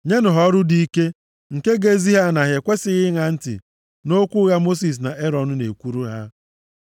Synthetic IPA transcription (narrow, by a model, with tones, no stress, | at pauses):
ɲe˦nʊ˨ɦɔ˦ɾʊ˦di˦ke˦ | ŋ̩˨ke˦ɡe˦zi˦ɦa˦na˨ɦe˨kʷe˦sɪ˦ɣɪ˦ŋa˨n̩˦tɪ̰˨ | no˦kʷu˦ɣa˦mo˦si˨s̬na˨ʔe˦ɾɔ˨nʊ˦nḛ˨kʷu˦ɾu˦ɦa˦